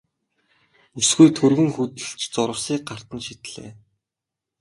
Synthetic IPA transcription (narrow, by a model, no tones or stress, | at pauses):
usɡujt̪ʰɵrɣɵ̆ŋxut̪ɘ̆ɮt͡ɕt͡sʊɾə̆wsiːk̚ɢar̥t̪ə̆nʃit̪ɮḛː